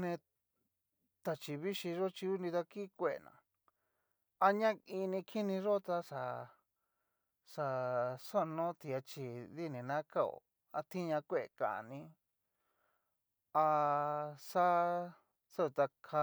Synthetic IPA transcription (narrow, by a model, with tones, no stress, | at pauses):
nẽ˧ | t̪a˧t͡ʃi˧βi˦ʃi˧ʐo˦t͡ʃi˧u˦nĩ˧t̪a˧ki˦kʷe˦˧ḛ˨nã̰˨ | a˧ɲã˦i˧nĩ˧kʰi˦nĩ˧ʐo˦t̪a˧ʂa˨ | ʂa˧so˦˧nõ˦t̪i˧a˧t͡ʃi˧ði˦nĩ˨nã˦ka˦o̰˨˧˨ | a˧t̪i˦ɲã˧kʷe˦˧e˨kã̰˨ʔnĩ˧˦ | a˧ | sa˦ | so˦˧t̪a˧kʰa˧